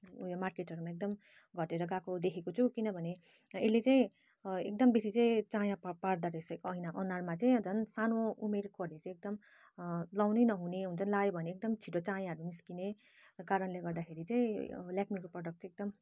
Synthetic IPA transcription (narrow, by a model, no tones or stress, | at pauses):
ujomarkeʈɦʌɾumaek̚d̪ʌm | ɡʱʌʈeɾʌɡakod̪ekʰekot͡sʰukinʌbʱʌne | elet͡saĩ | ek̚d̪ʌmbesit͡sʌĩt͡sajãppaɽd̪aɾeskʌinaʔʌnarmat͡saĩʌd͡zʌnsanoumerkʌrnet͡sãĩek̚d̪ʌm | lawnʌjnʌɦuneɦunt͡sʰʌnlaebʱʌneek̚d̪ʌmt͡sʰiʈot͡sajãɦʌɾumiskine | kaɾʌnleɡʌrd̪akʰeɾit͡sãĩljakmikoprʌɽʌkʈt͡sʌek̚d̪ʌm